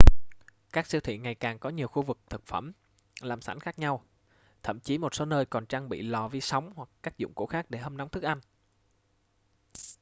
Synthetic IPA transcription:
kaː˦˥k̚si˧wt̪ʰḭ˧˨ŋa˨˩jkaː˨˩ŋkɔ˨˦ɲi˨˩əwxu˧vɨ˨˩k̚t̪ʰɨ˨˩k̚fə˧˩m | laː˨˩msa̰˧˩jŋ̟xaː˦˥k̚ɲa˧w | t̪ʰə̰˧˨mt͡ɕi˨˦mo˨˩t̚so˨˦nəː˧jkɔ˨˩nt͡ɕaː˧ŋɓḭ˧˨lɔ˨˩vi˧sa˨˦wŋ͡mhwa˨˩kːaː˦˥k̚zʊ̰˧˨ŋ͡mko̰˧˥xaː˦˥k̚ɗe˧˩hə˧mna˨˦wŋ͡mt̪ʰɨ˦˥k̚ʔa˧jŋ̟

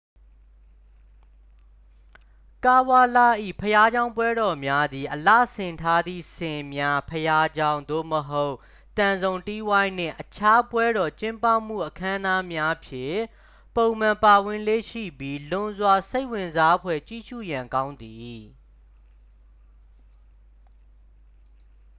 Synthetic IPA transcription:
ka˦˨wa˦la̰˦˨ʔḭ˦˨pʰəja˦d͡ʑã˦ʊ̃mpwɛ˦ɾɔ˨mja˦d̪i˨ʔəla̰˦˨sɪ̃˨ntʰa˦d̪ḭ˦˨sɪ̃˨mja˦pʰəja˦d͡ʑã˦ʊ̃nd̪o̰˦˨məɦo˦ʊʔ | t̪ã˨nzõ˨ʊ̃ti˦wã˦ɪ̃n̥ɪ̰̃˦˨ʔət͡ɕʰa˦pwɛ˦ɾɔ˨t͡ɕɪ̃˦mpa˦˨m̥ṵ˦˨ʔəkʰã˦na˦mja˦pʰjɪ̰̃˦˨ | põ˨ʊ̃mã˨mpa˨wɪ̃˨lḛ˦˨ʃḭ˦˨bji˦lʊ̃˨zwa˨se˦ɪʔwɪ̃˨nza˦pʰwɛ̰˦˨t͡ɕi˦˨ʃṵ˦˨jã˨ŋkã˦ʊ̃nd̪i˨

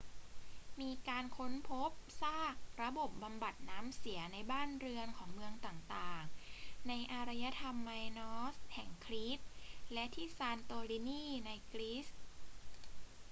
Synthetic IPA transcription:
miː˧kaː˧nkʰo˦˥npʰo˦˥p̚saː˥˩k̚ɾa˧bo˨˩p̚ba˧mba˨˩t̪̚naː˦˥msi˩˦ɐna˧jbaː˥˩nɾɯ˧ənkʰɔː˩˦ŋmɯ˧əŋt̪aː˨˩ŋt̪aː˨˩ŋna˧jʔaː˧ɾa˧ja˧˥t̪ʰa˧mːaː˧jnɔː˦˥shɛ˨˩ŋkʰɾiː˦˥t̪̚lɛ˦˥ʔt̪ʰiː˥˩saː˧nt̪oː˧ɾi˧˥niː˥˩na˧jkɾi˦˥s

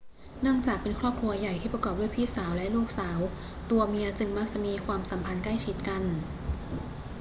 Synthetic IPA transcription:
nɯ˥˩əŋt͡ɕaː˨˩k̚pe˧nkʰɾɔː˥˩p̚kʰu˧ɐja˨˩jt̪ʰiː˥˩pɾa˧kɔː˨˩p̚du˥˩jpʰiː˥˩saː˩˦wlɛ˦˥ʔluː˥˩k̚saː˩˦w | t̪u˧ɐmi˧ɐt͡ɕɯ˧ŋma˦˥k̚t͡ɕa˨˩ʔmiː˧kʰwaː˧msa˩˦mpʰa˧nkla˥˩jt͡ɕʰi˦˥t̪̚ka˧n

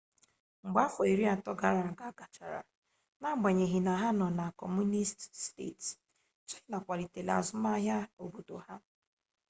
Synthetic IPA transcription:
ŋ͡m̩˨ɡ͡ba˦fɔ˨i˨ɾi˦a˨tɔ˦ɡa˨ɾa˨a˨ɡa˦ɡa˨t͡ʃa˨ɾa̰˨ | na˦ɡ͡ba˨ɲe˨ɦi˨na˨ɦa˦nɔ˨na˨kɔ˨mu˦ni˦ststḛ˦˨ts | t͡ʃi˦i˦na˨kʷa˨li˨te˨la̰˨zʊ˦ma˦ɦja˦o˨bo˨do˨ha˦

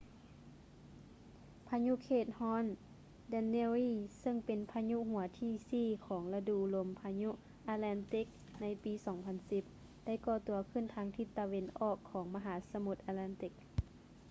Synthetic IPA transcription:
pʰa˧ɲu˧˥ʔkʰeː˧˩t̪̚hɔː˧˥˨n | dɛ˧˥nːeː˧ɾiː˧˨sɤ˧˥˨ŋpe˨npʰa˧ɲu˧˥ʔɦu˩˦ɐt̪ʰiː˧˩siː˧˩kʰɔː˩˦ŋla˧duː˧˨lo˨˧˦mpʰa˧ɲu˧ʔ | ʔa˧t̪̚laː˧˥nt̪i˧˥k̚ | na˧˥jpiː˨˦sɔː˩˦ŋpʰa˧˥nsi˧˦p̚ | da˥˨jkɔː˧˩t̪u˨˩˦ɐkʰɯ˧˥˨nt̪ʰaː˧˦ŋt̪ʰi˧t̪ːa˧we˧nʔɔː˧˩kʰːɔː˩˦ŋma˧ɦaː˨˦sa˧mu˧˦t̪̚ʔaː˧laː˧˥nt̪i˧˦k̚

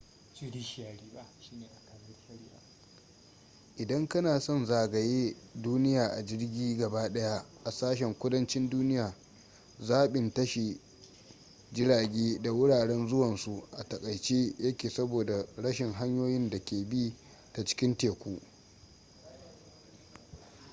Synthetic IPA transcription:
t͡ʃi˦ɽi˦ʃjaː˨ɽiː˦ba˦ʃiː˦neː˨ʔa˨ka˨nɐ˦ʃɐ˦ɽɪ˦ja˨ | ʔɪ˨dɐ˦ŋkɐ˦naː˨sɔ˦˨nzaː˨ɡɐ˨jeː˦duː˦nɪ˦jaː˨ʔa˨d͡ʒɪ˦rɡʲiː˦ɡɐ˨baː˦ɗɐ˦ja˦ʔa˨saː˦ʃ̬ɛ˨ŋkʷʊ˦dɐ˦nt͡ʃɪ˦nduː˦nɪ˦jaː˨ | zaː˦ɓɪ˨ntɐ˦ʃi˨ | d͡ʒɪ˦ɽaː˨ɡʲeː˦da˨wʊ˦ɽaː˨ɽɛ˦nzʊ˦wɐ˨nsu˨ʔa˨tɐ˨kʼɐ˨jt͡ʃeː˦jɐ˦kʲeː˨sɐ˦boː˨da˨ɽɐ˦ʃɪ˨ŋɦa˦ɲjoː˦jɪ˦nda˨kʲeː˨bi˦ | ta˨t͡ʃɪ̥˦kʲɪ˦nteː˨kʷuː˦ʔ

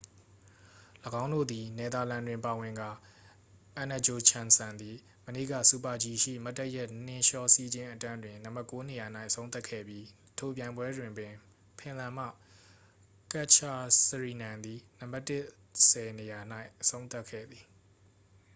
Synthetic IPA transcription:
ləɡã˦ʊ̃ndo̰˦˨d̪i˨nɛ˨d̪a˨lã˨ndwɪ̃˨mpa˨wɪ̃˨ŋɡa˨ | ʔã˨na˨d͡ʑo˨t͡ɕʰã˨nsã˨nd̪i˨ | mənḛ˦˨ɡä̰˦˨su˦˨pa˨d͡ʑi˨ʃḭ˦˨ma˦tːɛ˦ʔjɛ˦ʔn̥ɪ̃˨ʃɔ˦˨si˦d͡ʑɪ̃˦ʔətã˦ndwɪ̃˨nã˨mba˦˨ko˦ne˨ja˨n̥a˦ɪʔəsʰõ˦ʊ̃t̪θa˦˨kʰɛ̰˦˨bji˦ | tʰo˨p̬jã˨ɪ̃mbwɛ˦dwɪ̃˨mpɪ̃˨ | pʰɪ̃˨lã˨m̥ä̰˦˨ | ka˦ʔt͡ʃʰa˨səɹi˨nã˨nd̪i˨nã˨mba˦˨tːɪ˦ʔ | sɛ˨ne˨ja˨n̥a˦ɪʔʔəsʰõ˦ʊ̃nt̪a˦˨kʰːɛ̰˦˨d̪ði˨

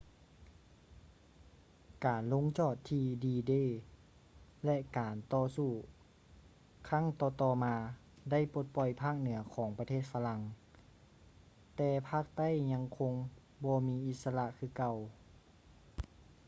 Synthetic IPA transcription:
kaː˨˩nlo˧˥ŋt͡ɕɔː˧˩t̪ʰːiː˧diː˧deː˧˥˨ | lɛ˧ʔkaː˨˩nt̪ɔː˧suː˧˩ | kʰa˧˥˨ŋt̪ɔː˧˩t̪ɔː˧maː˧ | da˥˩˨jpo˧˦t̪̚pɔ˧˩jpʰaː˥˩k̚nɯ˨˩˦ɐkʰɔː˨˦ŋpa˧t̪ʰeː˥˩t̪̚fʰa˧la˧ŋ | t̪ɛː˧pʰaː˥˨k̚t̪a˥˨jɲa˧ŋkʰo˧ŋ | bɔː˧miː˧˥ʔi˧t̪̚sa˧la˧ʔkʰɯː˧˩ka˧˩˨w

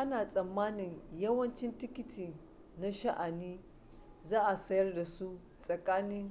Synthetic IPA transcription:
ʔa˦naː˨sʼɐ˨mːaː˦nɪ˨ŋjɐ˦wɐ˦nt͡ʃɪ˦ntɪ˦kʲɪ˦tʰiː˨ | na˦ʃɐ˦ʔa˨niː˦ | zaː˦ʔa˨sɐ˦jɐ˦rda˨su˦ | sʼɐ˨kʼaː˦nɪ˦ŋ

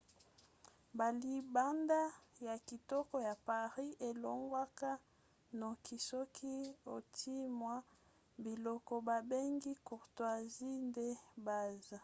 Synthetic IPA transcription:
ba˨li˨ba˦nda˦ja˨ki˨tɔ˦kɔ˦ja˨pa˨ʁi˦ʔe˨lɔ˨ŋɡwa˦ka˦ | no˨ki˨sɔ˦kʰi˦o˨tʰi˦mwa˦ | bi˨lɔ˦kɔ˨ba˨be˦ŋɡi˦ku˨ʁtwa˨zi˦nde˦ba˨za˨

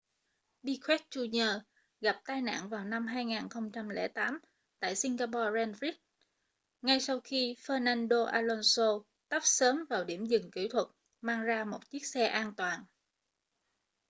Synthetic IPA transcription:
ɓi˧kʰwɛ˦˥t̚t͡ɕu˧ɲəː˧ | ɣa˨˩p̚t̪aː˧jna̰ː˧˨nvaː˨˩wna˧mɦaː˧jŋaː˨˩nxə˧wŋ͡mt͡ɕa˧mlḛ˧˩t̪aː˨˦m | t̪a̰ː˧˨jsi˧ŋɣaː˧pɔ˧zɛ˧nfi˦˥t̚ | ŋa˧jsa˧wxi˧fəː˧naː˧nɗo˧ʔaː˧lo˧nso˧ | t̪ə˦˥p̚səː˨˦mvaː˨˩wɗi˧˩əmzɨ˨˩ŋkḭ˧˩t̪ʰwə˨˩t̚ | maː˧ŋzaː˧mo˨˩t̚t͡ɕi˦˥k̚sɛ˧ʔaː˧nt̪waː˨˩n

